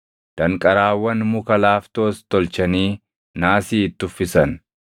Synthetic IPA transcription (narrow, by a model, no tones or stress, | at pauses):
d̪̥ɐŋkʼɐɾaːwːɐnmʊkɐlaːft̪oːst̪ɔlt͡ʃɐniː | naːsiːɪt̪ːʊfːɪsɐn